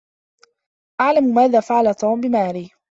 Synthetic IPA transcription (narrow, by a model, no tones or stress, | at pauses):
ʔaʕlammaːðaːfaʕalat̪uːmbɪmaːɾiː